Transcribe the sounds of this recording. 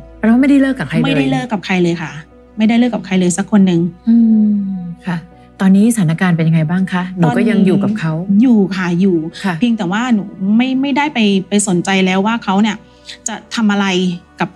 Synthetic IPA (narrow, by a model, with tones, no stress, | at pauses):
pːwaː˥ma˥˩jda˥˩jlɤː˥˩kːa˨˩kʰa˧jma˥˩jda˥˩jlɤː˥˩kːa˨˩kʰa˧jlɤː˧jkʰa˥˩ | ma˥˩jda˥˩jlɤː˥˩kːpkʰa˧jlɤː˧jsa˦˥kʰːo˧nːɯ˨˩ŋʔɯː˧ | kʰa˥˩ | t̪ɔː˧nːiː˦˥sa˩aː˩˦na˧˥˩kaː˧npe˧nja˧ŋa˧jbaː˥˩ŋkʰa˦˥nuɔː˨˦˧kɔː˥˩ja˧ŋjuː˨˩ka˨˩kʰa˦˥wjuː˨˩kʰa˥˩juː˨˩˥i˧ŋt̪ɛː˨˩waː˥˩nu˨˩˦ma˥˩jma˥˩jda˥˩jpa˧jpa˧jso˨˩˦nt͡ɕa˧jlɛː˦˥wːaː˥˩kʰa˦˥wni˥˩ɐ | t͡ɕa˨˩t̪ʰa˧mʔa˧ɾa˧jka˨˩p̚